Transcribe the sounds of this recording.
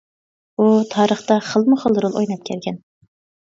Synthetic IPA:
ut̪ʰɑːɾəχt̪ɑχəlˠmʊχəlˠɾulˠojnɑp̚kʲʰæɾɡʲɛn

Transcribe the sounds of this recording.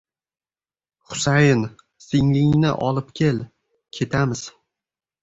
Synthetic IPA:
χʊ̥sajɪn | sɪŋlɪŋnɪ̰ʔɒlˠɪpkʲʰel | kʲʰe̞t̪ʰamɪz̥

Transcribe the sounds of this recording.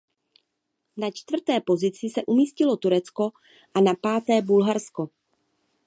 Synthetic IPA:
nat͡ʃt̪vr̩t̪ɛːpo̞zɪt͡sɪsɛʔumiːscɪlo̞t̪uɾɛt͡sko̞ | ʔanapaːt̪ɛːbulɦaɾsko̞

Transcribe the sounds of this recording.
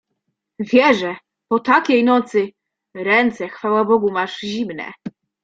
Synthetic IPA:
vʲjɛʐɛ | pɔt̪akʲejnɔt̪sɘ | ɾɛnt̪sɛxfawabɔɡumaʐʑimnɛ̰

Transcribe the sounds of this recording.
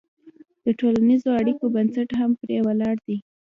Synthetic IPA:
d̪̥əʈolanizoaɽikobansaʈɦampɾewalɑɽd̪i

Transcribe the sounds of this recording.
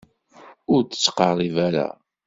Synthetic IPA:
ʊɾtə̥t͡sːqɑɾˤivæɾa̰

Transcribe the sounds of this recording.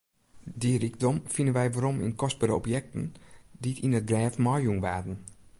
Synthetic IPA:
diriɡ̚dɔmfindənʋɛjʋaɾɔmḭnkɔs̚baɾəɔ̰pjɛk̚tən̩diətinət̚ɡrɛːfmɔjuŋʋaːdən̩

